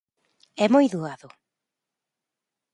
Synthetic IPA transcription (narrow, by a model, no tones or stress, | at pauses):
ɛmojðuaðʊ